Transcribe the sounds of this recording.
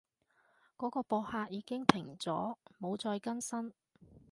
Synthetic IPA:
kɔː˨˥kɔː˧pɔː˧haː˧t̚jiː˨˧kɪ˥ŋt̪ʰɪ˨˩ŋt͡sɔ̰ː˨˥mo˨˧wt͡sɔː˧jkɐ˥nsɐ˥n

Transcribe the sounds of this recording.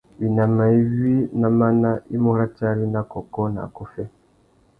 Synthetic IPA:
βi˨na˨ma˨i˦vi˦na˨ma˦na˦ʔi˦mu˦ɾa˦t͡ʃa˦ɾi˦na˦kɔ˨kɔ˦na̰˨kɔ˦fɛ˦

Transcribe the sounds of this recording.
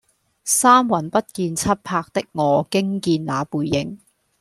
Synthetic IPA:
saː˥mwɐ˨˩npɐ˥t̚kiː˧nt͡sʰɐ˥t̚pʰaː˧k̚t̪ɪ˥k̚ŋɔː˨˧kɪ˥ŋkiː˧nlaː˨˧puː˨˧jːɪ˨˥ŋ

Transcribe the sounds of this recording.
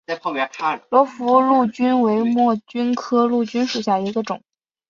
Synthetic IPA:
a˥˧o˥˩mjɛ˧˥kʰa˥˩lwɔ˧˥fu˧˥lu˥˩t͡ɕy˥nwe˧˥ɪmwɔ˥˩t͡ɕy˥nkʰɤ˥lu˥˩t͡ɕy˥nʂu˨˩ɕja˥˩i˧˥ɡə˧ʈ͡ʂʊ̰˨˩˦ŋ

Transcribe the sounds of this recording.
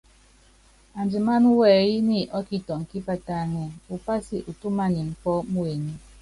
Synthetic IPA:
a˨n˨d͡ʒi˨ma˦nu˦wɛ˨ji˦ni˦ʔɔ˦ki˦tɔ˨ŋ̩˨ki˦pa˦ta˦˨ŋɛ˨u˨pa˦si˨ʔu˨tu˦ma˦ni˨m̩˨pɔ˦mu˦e˨ni˦

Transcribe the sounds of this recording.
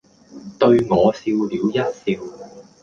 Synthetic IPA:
t̪ɵ˧ɥŋɔː˨˧siː˧wliː˨˧wjɐ˥t̚siː˧w

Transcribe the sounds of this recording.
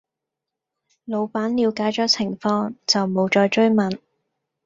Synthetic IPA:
lo˨˧wpaː˨˥nliː˨˧wkaː˨˥jt͡sɔː˨˥t͡sʰɪ˨˩ŋfɔː˧ŋt͡sɐ˨wmo˨˧wt͡ʃɔː˧jt͡ʃɵ˥ɥmɐ˨˩n

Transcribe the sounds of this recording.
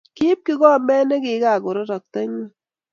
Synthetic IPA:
ki˦p̚ki˦kɔ˦˨mbɛ˦nɛ˦kɪ˨˦ka˨kʊ˨ɾɔ˦tɔ˨k̚tɛ˦ɲi˦

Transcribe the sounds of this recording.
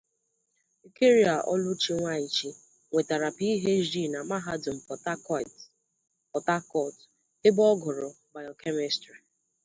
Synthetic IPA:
i˨ke˦ɾi˦a˨ʔɔ̰˦lʊ˦t͡ʃi˦ŋʷa˦i˨t͡ʃi˨ | ŋʷe˨ta˨ɾa˨pi˦i˦ɦe˦ʒi˦˨na˨ma˦ɦa˦dʊ˨m̩˨pɔ˨t | pɔ˨ta˦kɔ˦˨t | e˦bɔ˦ɡɔ˨ɾɔ˨ | ba˨ɔ˨ke˦me˦stɾi˨

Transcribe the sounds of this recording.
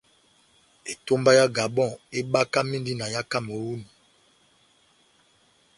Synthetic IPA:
e˨to˦mba˦ja˦ɡa˨bɔ̃˦˨e˦ɓa˦ka˦mĩ˦ndi˦na˨ja˦ka˦mo˨wu˦ni˨

